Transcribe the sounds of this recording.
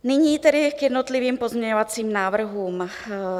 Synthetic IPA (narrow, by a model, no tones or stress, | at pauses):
niɲiːt̪ɛdɪɡjɛd̪nɔt̪liʋiːmpɔzmɲɛɲɔʋat͡siːmnaːʋr̩ɦuːm